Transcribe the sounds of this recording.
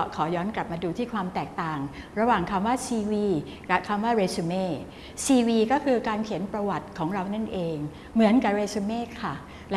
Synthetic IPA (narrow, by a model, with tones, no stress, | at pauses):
kʰɔː˩˦jɔː˦˥nkla˨˩p̚maː˧duː˧t̪ʰiː˥˩kʰwaː˧mt̪ɛː˨˩k̚t̪aː˨˩ŋɾa˧waː˨˩ŋkʰa˧mwaː˥˩siː˧wiː˧ | la˦˩kʰa˧mwaː˥˩ɾeː˧su˧meː˥˩ | siː˧wiː˧kɔː˥˩kʰɯː˧kaː˧nkʰi˨˩˦npɾa˧wa˨˩t̪̚kʰɔː˩˦ŋɾa˧wna˥˩nʔeː˧ŋ | mɯ˩˦ənka˨˩p̚ɾeː˧su˧meː˥˩˨kʰa˥˩ | l